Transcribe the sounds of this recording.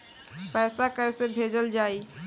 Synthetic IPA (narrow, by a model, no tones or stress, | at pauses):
pɛːsakəɪsebʱed͡ʒəld͡ʒaːi